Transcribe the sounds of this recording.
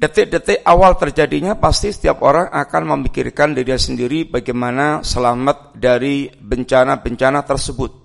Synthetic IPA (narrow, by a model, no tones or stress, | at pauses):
dət̪ɪʔ̚dət̪ɪʔawalt̪ərd͡ʒadiɲapast̪isə̥t̪iapoɾaŋʔakanməmikirkandiɾiasəndiɾibaɡamanasəlamat̪̚daɾibəɲt͡ʃanabəɲt͡ʃanat̪ərsəbʊt̪̚